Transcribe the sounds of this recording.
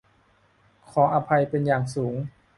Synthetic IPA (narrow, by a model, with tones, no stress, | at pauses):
kʰɔː˩˦ʔa˧pʰa˧jpe˧njaː˨˩ŋsuː˩˦ŋ